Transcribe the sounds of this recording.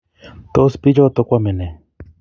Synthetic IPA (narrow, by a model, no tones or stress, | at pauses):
t̪ospid͡ʒot̪okʷamene